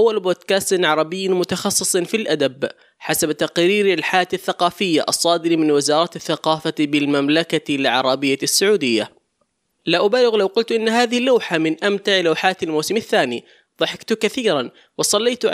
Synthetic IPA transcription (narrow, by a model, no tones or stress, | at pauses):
ʔawːalboːd̪kaːst̪ʕɑɾˤɑbɪjːmʊt̪ɑxɑsˤːɨ̥sˤnfilʔad̪ab | ħasabt̪aqɾiːɾalħajaːt̪aθːaqɑːfɪjːa̰ʔɑsˤːɑːd̪ɪɾimɪnwɪzɑːɾˤɑːt̪ɪθːaqɑːfabɪlmamlakalʕɑ̰ɾˤɑbɪjːasːʊʕuːd̪ɪjːa | laʔʊbaːlɪɣlawqʊlt̪ʔɪnːɦaːðɪhlːawħamɪnʔamt̪aʕlawħaːt̪almuːsɪmaθːaːni | ðˤɑħɪkt̪ʊkaθiːɾan | wɪsˤɑlːeːt̪ʕ